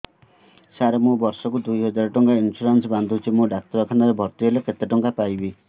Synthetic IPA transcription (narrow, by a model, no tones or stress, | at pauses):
saɾemũbɔɾsɔkud̪ujɦɔd͡ʒaɾɔʈɔŋkainsuɾansband̪ʱuɦut͡ʃʰimũɖak̚t̪ɔɾɔkʰanaɾebʱɔɾt̪iɦeleket̪eʈɔŋkapajbi